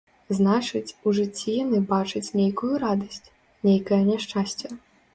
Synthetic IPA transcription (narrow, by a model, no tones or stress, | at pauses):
znat͡ʂɨt͡sʲuʐɨt͡sʲːijanɨbat͡ʂɨt͡sʲnʲejkujuɾad̪ɐsʲt͡sʲ | nʲejkɐjɐnʲɛʂt͡ʂasʲt͡sʲɐ